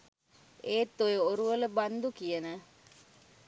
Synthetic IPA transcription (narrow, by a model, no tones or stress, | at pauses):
eːt̪ːojeoɾuʋələband̪ukijənə